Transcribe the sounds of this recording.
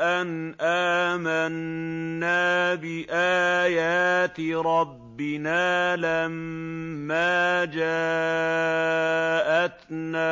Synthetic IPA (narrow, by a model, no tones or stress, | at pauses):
ʔanʔaːmanː | aːbɪʔaːjaːt̪ɾˤɑbːɪnaːlamː | aːd͡ʒaː | ʔat̪naː